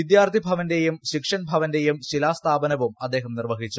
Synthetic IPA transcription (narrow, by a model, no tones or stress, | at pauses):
id̪jaːrt̪ʰibʱɐʋɐnde̞jumɕikʂɐnbʱɐʋɐnde̞jumɕilaːst̪ʰaːbɐnɐʋumɐd̪ːe̞ːɦɐmnirʋɐɦit͡ɕːu